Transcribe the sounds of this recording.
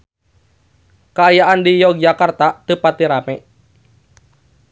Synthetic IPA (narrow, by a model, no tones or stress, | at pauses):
kaajaʔandijɔɡ̚d͡ʒakart̪at̪upat̪iɾamɛ